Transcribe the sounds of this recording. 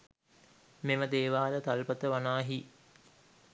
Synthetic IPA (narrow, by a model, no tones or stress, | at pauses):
meməd̪eːʋaːlət̪alpət̪əʋanaːɦi